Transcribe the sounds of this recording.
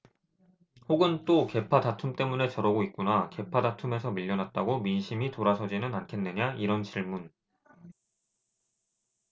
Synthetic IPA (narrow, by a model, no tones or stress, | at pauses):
hoɡɯnt͈oke̞pʰadatʰumt͈e̞mune̞t͡ɕʌɾʌɡoit̚k͈unake̞pʰadatʰume̞sʰʌmiʎːʌnɦat̚t͈aɡominɕʰimitoɾasʰʌd͡ʑinɯnankʰe̞nːeɲaiɾʌnt͡ɕiɭmun